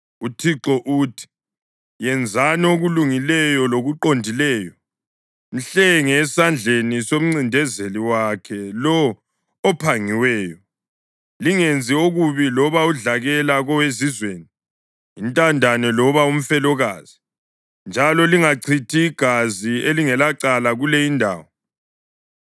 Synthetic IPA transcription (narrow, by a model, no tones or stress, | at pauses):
utʰiǁɔʔutʰi̥ | jɛnd͡zʱanɛoɣuluŋilɛjɔloɣuǃondʱilɛːjɔ | n̩ɬɛŋɛsand͡ɮʱenisom̩ŋ͡ǀindʱɛzeliwakʰɛlɔː | pʰaŋiwɛːjɔ | liŋend͡zʱioɣuβilɔβauɮaɣɛlaɣɔwezizweːni | intʼandʱanɛlɔβaum̩fɛlɔɣaːz̥i | nd͡ʒʱalɔliŋaǀʰitʰiːɡ̥ʱazieliŋɛlaǀalaɣulejindʱa̰ːwɔ